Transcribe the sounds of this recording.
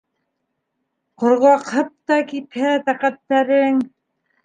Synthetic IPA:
qŏɾʁɑqhɤp̚t̪ɑkiphæt̪æqæt̪ːæɾɘŋ

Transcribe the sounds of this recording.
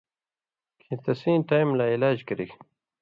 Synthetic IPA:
kʰĩt̪ɐsĩːʈajmlailaːd͡ʑkɐɾik

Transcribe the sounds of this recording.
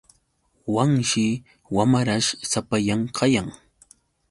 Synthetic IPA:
waŋʃɪ | wamaɾaʃsapajamqʰɑjaŋ

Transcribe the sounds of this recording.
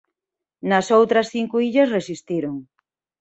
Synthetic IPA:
nɐsowt̪ɾɐsθiŋkuiʎɐsresist̪iɾoŋ

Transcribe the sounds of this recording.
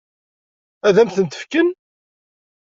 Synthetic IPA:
æðæmθənt̪ə̥fkən

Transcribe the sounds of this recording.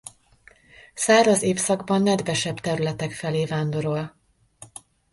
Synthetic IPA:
saːɾɒzeːfsɒɡbɒnːɛd̪vɛʃɛbt̪ɛɾylɛt̪ɛkfɛleːvaːnd̪o̞ɾo̞l

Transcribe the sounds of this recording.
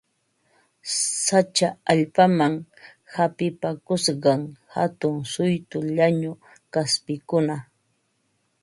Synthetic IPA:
sat͡ʃaaʎpamaŋ | hapɪpakʊsɢɑŋhat̪ʊŋsʊjt̪ʊʎaɲʊ | kaspɪkʊna

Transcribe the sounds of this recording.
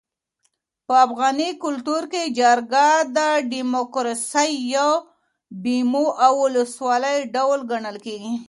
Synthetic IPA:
pəafɣɑnikʊlt̪uɾked͡ʒaɾɡad̪əɖimokɾɑsəjːa | bimoʔawʊləswɑləjɖawlɡaɳəlkeɡi

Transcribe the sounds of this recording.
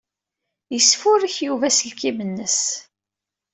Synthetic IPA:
jəsːfʊɾiçjuvæsəlkimənːəs

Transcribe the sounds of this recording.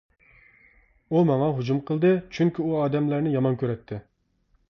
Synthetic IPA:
umɑŋɑɦud͡ʒumqʰəlˠd̪ɨt͡ʃʰyŋkʲiuɑːd̪ɛmlæɾnɪjɑmɑnkʲʰøɾɛt̪ʰːɪ

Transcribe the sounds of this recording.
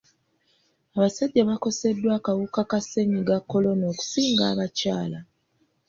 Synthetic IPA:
aβasaɟːaβako̞se̞dːwaːkawukakase̞ɲiɡakːo̞lo̞no̞ːku̥siːŋɡa̰ːβacaːla

